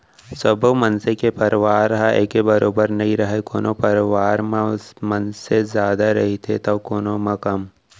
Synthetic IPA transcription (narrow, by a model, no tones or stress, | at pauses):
səbʱmɐnsekepɐɾʋaːɾɦaḛːkebɐɾoːbəɾnɐɦĩɾɐɦekoːnopɐɾʋaːɾmmɐnsezjaːd̪aɾɐɦit̪ʰet̪ɐkoːnomɐ̃kəm